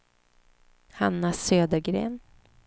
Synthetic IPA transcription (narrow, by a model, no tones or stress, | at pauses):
hanːasøːd̪əɾɡɾḛːn